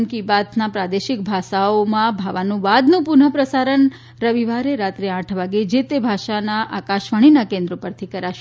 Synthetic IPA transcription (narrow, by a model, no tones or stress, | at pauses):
mkibat̪napɾad̪eʃɪk̚bʱaʃaomãbʱaʋanũʋad̪nũpʊnɦəpɾəsaɾən | ɾəʋiʋaɾeɾat̪ɾeãʈʰʋaɡed͡ʒet̪ebʱaʃanaʔakaʃʋaɽ̃inakẽnd̪ɾopəɾt̪ʰikəɾaʃe